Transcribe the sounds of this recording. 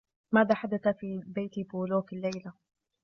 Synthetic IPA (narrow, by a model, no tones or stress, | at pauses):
maːðaːħad̪aθafiːbejt̪buːloːfilːajla